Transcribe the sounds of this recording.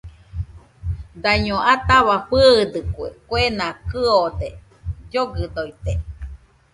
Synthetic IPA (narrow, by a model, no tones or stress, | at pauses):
d̪aɲoʔat̪aβaɸɨːd̪ɨkʷḛkwenakɨod̪e | d͡ʒoɡɨd̪ojt̪e